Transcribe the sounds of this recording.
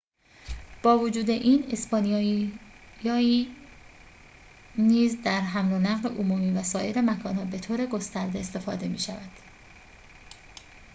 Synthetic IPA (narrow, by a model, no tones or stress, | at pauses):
b̥ɒːvod͡ʒuːd̪e̞ʔiːnespɒːni | jɒːi | niːzd̪æɾɦæmlo̞næɣleʔomumiːvæsɒːje̞ɾe̞mækʰɒːnhɒːbe̞t̪ʰoːɾe̞ɡo̞st̪æɾd̪e̞ːst̪e̞fɒːd̪e̞miːʃævæd̪̥